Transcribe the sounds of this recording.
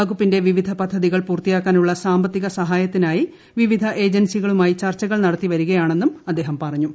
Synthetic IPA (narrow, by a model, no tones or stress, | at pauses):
ɐɣupːinde̞ʋiʋid̪ʱɐpɐd̪ʱːɐðiɣɐɭpuːrt̪ijaːkːaːnuɭːɐsaːmbɐt̪ːiɣɐsɐɦaːjɐt̪ːinaːji | ʋiʋid̪ʱɐʔe̞ːd͡ʑɐnsiɣɐɭumaːjit͡ɕɐrt͡ɕːɐɣɐɭnɐɽɐt̪ːiʋɐɾuɣɐjaːɳe̞nːumɐd̪ːeːɦɐmpɐrɐɲːu